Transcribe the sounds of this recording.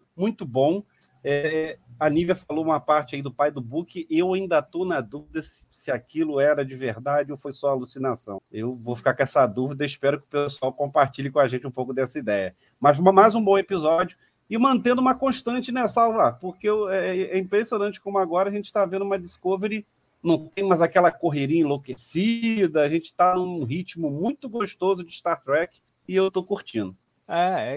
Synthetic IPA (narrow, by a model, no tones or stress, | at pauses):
mũj̃t̪ʊbõw̃ | ɛanivjɐfalowũmɐpaɾt͡ʃɪaid̪ʊpajd̪ʊbukɪʔewaĩnd̪ɐt̪ownɐd̪uvid̪ɐsɪ̥sɪakilʊɛɾɐd͡ʒɪveɾd̪ad͡ʒɪowfojsɔalusinasɐ̰̃w̃ewvofi̥kakõɛsɐd̪uvid̪ɐispɛɾʊkɪʊpesuawkõmpaɾt͡ʃiʎɪkõaʒẽnt͡ʃɪũpowkʊd̪ɛsɐid̪ɛjɐ | mɐzɐmajzũbõw̃epizɔd͡ʒjʊ | ɪmɐ̃nt̪ẽnd̪ʊũmɐkõʃt̪ɐ̃t͡ʃɪnɛsawvapoχkewɛɛĩpɾesionɐ̃t͡ʃɪ̥kõmʊaɡɔɾɐaɐʒẽnt͡ʃɪ̥t̪avẽd̪ʊũmɐd͡ʒɪskoveɾɪ | nɐ̃w̃t̪ẽj̃mɐjzakɛlɐkoɦeɾĩɐĩlokesid̪ɐaʒẽnt͡ʃɪ̥t̪anũɦit͡ʃmʊmũj̃t̪ʊɡoʃt̪ozʊd͡ʒɪʃt̪aɾt̪ɾɛkɪ̥ | ɪewt̪okuɾt͡ʃĩnd̪ʊ | ɛɛ